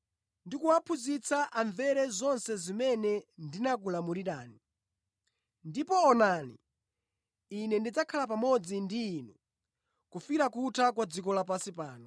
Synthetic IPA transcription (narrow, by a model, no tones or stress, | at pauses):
ndikuwapʰuzit͡saʔaɱvɛɾɛzɔnsɛzimɛnɛndinak̬ulamuɾiɾaːni | ndipɔːnanḭ | nɛndid͡zakʰalapamɔd͡zindiːnu | kufiɾakutʰakwad͡zikɔlapasipaːnɔ